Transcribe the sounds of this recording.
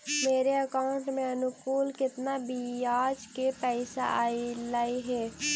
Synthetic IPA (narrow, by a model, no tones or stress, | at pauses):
meːɾeəkaːʊɳʈmẽənʊkuːlkɪt̪nabijaːd͡ʒkepɛɪsa̰ʔa̰ːilaiɦɛː